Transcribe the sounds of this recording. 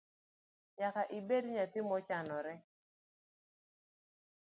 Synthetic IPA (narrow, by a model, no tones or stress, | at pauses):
ɲakaʔɪbedɲat̪ɪmɔt͡ʃanɔɾɛ